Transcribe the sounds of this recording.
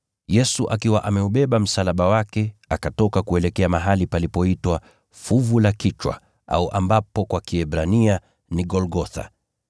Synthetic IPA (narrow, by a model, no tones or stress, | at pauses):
jɛsuʔakiwaʔamɛuɓɛɓam̩salaɓawakɛakatɔkakuɛlɛkɛamaɦalipalipɔitwa | fuvulakit͡ʃwa̰ | a̰uʔambapɔkwakiɛbɾania | niɡɔlɡɔθa̰